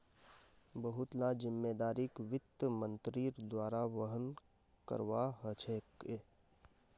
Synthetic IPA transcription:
bəɦʊt̪lad͡ʒɪmːeːd̪aːɾikʋɪt̪ːəmə̃nt̪ɾiːɾd̪waːɾaʋəɦən | kə̰ɾʋaɦət͡ʃʰeke

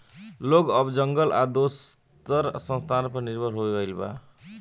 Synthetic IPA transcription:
lokʌbd͡zʌŋɡʌlʔa̰d̪os | t̪ʌɾsʌnst̪ʰanpʌniɾbʱʌɾɦoɡʌjlba̰

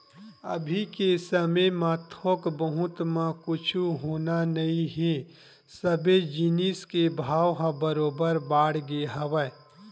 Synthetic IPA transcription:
ə̰bʱikesəməmãːt̪ʰokbəɦʊt̪mãkʊt͡ʃʰuɦoːnanɐĩɦe | səbed͡ʒiniskebʱaːwɦãbəɾoːbəɾbaːɽɡeɦəʋə

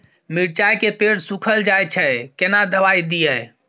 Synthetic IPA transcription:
miɽt͡ʃajkepeɽsukʰəld͡ʒajt͡ʃʰɛkenad̪əβajd̪ijɛ

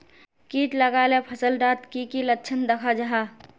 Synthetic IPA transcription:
kiːʈləɡaːlepʰəsəlɖaːt̪kikilətːt͡ʃʰənd̪əkʰad͡ʒaɦaː

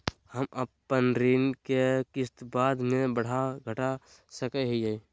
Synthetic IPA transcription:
həməpːənɾiːnkekɪst̪baːd̪mẽbəɽ̤aɡʱəʈa | səkeɦid͡ʒai

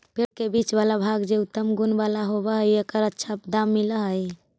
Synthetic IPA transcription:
pʰeɽkebit͡ʃbalabʱaɡd͡ʒeut̪ːəmɡunbalaɦoβəɦəjekəɾətːʃʰapd̪amːiləɦəj

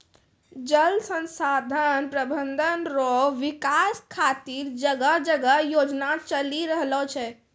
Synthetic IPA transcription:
d͡ʒəlsə̃nsaːd̪ʱənpɾəbənd̪ʱənɾɔʋɪkaːskʰaːt̪iɾd͡ʒəɡəd͡ʒəɡəjoːd͡ʒnat͡ʃəliɾəɦlɔt͡ʃʰɛ

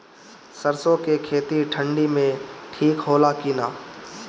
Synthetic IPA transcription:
səɾsõkekʰeːt̪iʈʰə̃ɳɖimẽʈʰiːkɦoːlakiːnaː

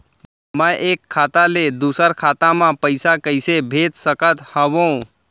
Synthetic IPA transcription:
məjʔekʰːat̪aled̪usəɾkʰat̪amãpəɪsakəɪsebʱet̪səkət̪həʋõ

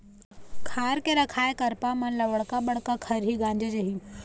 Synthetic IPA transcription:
kʰaːɾkeɾɐkʰaːekɐɾpamɐnlɐʋəɽkaɓɐɽ̤kakʰɐɾɦiɡãːɲd͡ʑed͡ʒɐɦĩː

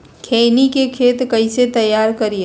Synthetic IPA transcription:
kʰeːnikekʰeːt̪kɐĩset̪ɐjːaːɾkɐɾie

